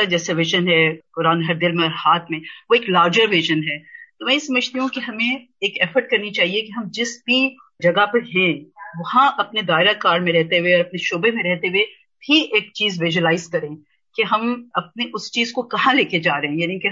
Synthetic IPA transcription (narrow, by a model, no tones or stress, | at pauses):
ad͡ʒɛːsaʋɪʒənɦɛkʊɾaːnɦɐɾd̪ɪlmẽɔɾhaːt̪ʰmẽʋoeːklaːɾd͡ʒəɾʋɪʒənɦɛːt̪omɛ̃ːjesɐməd͡ʒʱt̪iɦũkeɦɐmẽ | eːkɛːfəɾʈ̚kɐɾnit͡ʃaːɦiekeɦɐmd͡ʒɪsbʱi | d͡ʒɐɡapɐɾɦɛ̃ʋɐhãʔɐpned̪aːɪɾakaːɾmẽɾɛɦt̪eɦueɔːɾɐpneʃoːbemẽɾɛɦt̪eɦue | bʰʱiʔeːk̚t͡ʃiːzʋɪʒuəlaːɪzkɐɾẽː | keɦɐmɐp̚neʔʊst͡ʃiːzkokɐɦãleːked͡ʒaːɾɐɦɛ̃jaːnike